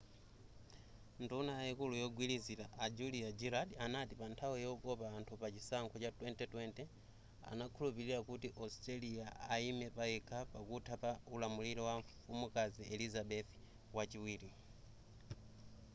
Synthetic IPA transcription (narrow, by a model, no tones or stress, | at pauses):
ndunajaikulujɔɡwilizilaʔad͡ʒuliad͡ʒiɾaɗianatipantʰawijɔkɔpaːntʰupat͡ʃisaŋkʰɔt͡ʃatwɛntɛtwɛntɛ | a̰nakʰulupiɾiɾakutiʔɔstɾaliaaimɛpaɛkʰapakutʰapaulamuliɾɔwaɱfumukaziɛlizaɓɛθ | wat͡ʃiwiːɾi